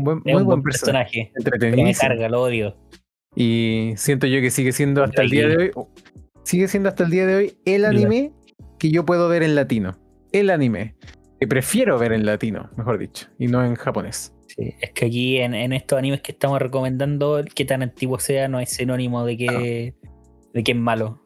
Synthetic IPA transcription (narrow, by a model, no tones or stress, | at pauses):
bwemmeujwempeɾeɾsosonaxeent̪ɾet̪enieskaɾɣalooðjo | isjent̪̬oʝokesiɣesjend̪oast̪ald̪iaðeoj | siɣesjend̪oast̪aeld̪iaðeojelanime | keʝopwe̞ðoβeɾenlat̪ino | elanimḛ | kepɾefje̞ɾoβeɾenlat̪ino̰mexoɾðḭt͡ʃo̥inoenxapones | sḭehkeakienenest̪osanimehkeht̪amosre̞kome̞nd̪and̪oket̪anant̪iɣwoseanoajsenonimoðek̬e | ðekeemalo